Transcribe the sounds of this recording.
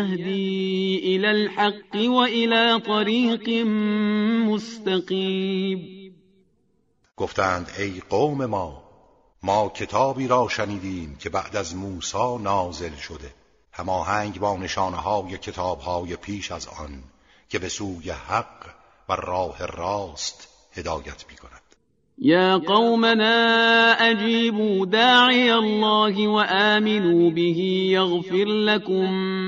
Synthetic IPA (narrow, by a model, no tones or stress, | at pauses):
hd̪iːʔɪlælħɑqːwaʔɪlaːt̪ˤɑɾiːq | mʊst̪aqiːb | ɡ̥o̞ft̪ʰæːnd̪e̞jqoːme̞mɒː | mɒːcʰe̞t̪ʰɒːbiːɾɒːʃæniːd̪iːmcʲʰe̞bæʔd̪æzmuːsɒːnɒːze̞lʃod̪e̞ | hæmɒːhæŋɡbɒːne̞ʃɒːneɦɒːjecʰe̞t̪ʰɒːbhɒːjepʰiːʃæzɒ̰n | cʰe̞be̞suːjehæq | værɒːherɑːst̪ | he̞d̪ɒːjæt̪ʰmiːkʰo̞næd̪̥ | jaːqɑwmanaːʔad͡ʒiːbuːd̪aːʕɪjalˤːaːɦɪwaʔaːmɪnuːbɪɦiːjaɣfɪɾlakʊm